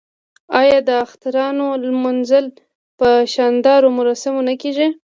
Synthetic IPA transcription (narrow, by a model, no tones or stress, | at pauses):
ɑjɑd̪əaxt̪aɾɑnolmʊnzəl | pəʃɑnd̪ɑɾomʊɾɑsɪmonakeʒi